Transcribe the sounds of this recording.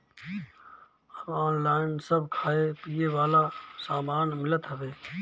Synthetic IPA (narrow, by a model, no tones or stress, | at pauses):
əbɔːnlaːɪnsəbʱkʰaːepiːeʋaːlasaːmaːnmɪlət̪ɦəʋeː